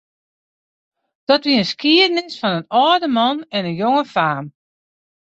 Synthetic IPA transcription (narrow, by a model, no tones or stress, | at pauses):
d̥ɔtʋiənskiədnɪsfɔnənɔːdəmɔnɛnənjoŋəfaːm